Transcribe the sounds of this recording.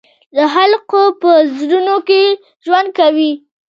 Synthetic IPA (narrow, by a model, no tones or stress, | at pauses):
d̪əɦalqopəzɾunoke | ʒwand̪̚kawi